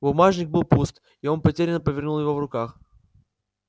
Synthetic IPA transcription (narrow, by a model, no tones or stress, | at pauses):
bʊmaʐnʲɪɡ̚bɨlˠpust̪ | io̞npɐtʲeɾʲɪnːəpəvʲɪrnulˠjɪvo̞vrʊkax